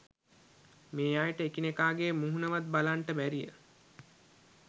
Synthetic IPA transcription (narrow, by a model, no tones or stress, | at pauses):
meːajʈəekinekaːɡeːmuɦunəʋat̪̚balaɳʈəbæɾijə̰